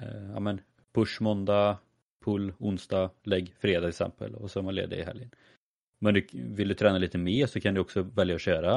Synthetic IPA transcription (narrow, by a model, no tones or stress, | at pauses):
a̰mɛn | pʰɵʂmɔnd̪a | pʰʊlːʊnst̪ɑːlɛɡːfɾeːd̪aɛsɛ̰mpə̰lɔ̰sɔhɛmanlḛːvd̪ə̰ɪɦɛ̰ljən | mɛnd̪ɵvɪld̪ɵt̪ʰɾɛːnaliːt̪əmeːɾsɔkʰand̪ɵɔksɔvɛljaɔɕøːɾa